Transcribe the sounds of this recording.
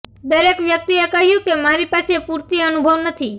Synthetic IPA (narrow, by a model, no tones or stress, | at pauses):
d̪əɾekʋjək̚t̪iekəɦjũkemaɾipaːsepuɾt̪iənubʱəʋnət̪ʰi